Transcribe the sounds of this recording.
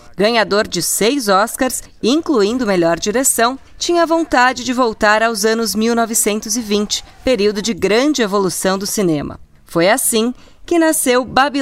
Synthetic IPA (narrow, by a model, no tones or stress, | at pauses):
ɡɐ̃ɲad̪oɾd͡ʒɪsejzɔskaɾs | ĩŋkluĩnd̪ʊmeʎɔɾd͡ʒiɾesɐ̃w̃ | t͡ʃĩɲɐvõnt̪ad͡ʒɪd͡ʒɪvowt̪aɾawzɐ̃nʊzmiwnɔvɪsẽnt̪ʊzɪvĩnt͡ʃɪ̥peɾiwd̪ʊd͡ʒɪɡɾɐ̃d͡ʒɪevolusɐ̃w̃d̪ʊsinẽmɐ̰ | fojasĩ | kɪnasewbabi